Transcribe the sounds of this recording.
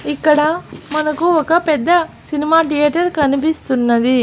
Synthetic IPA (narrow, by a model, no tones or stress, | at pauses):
ikːɐɽɐmɐnɐkuɔkɐpɛd̪ːɐsinimaːʈijɐːʈɐɾkɐnip̬ist̪unːɐd̪i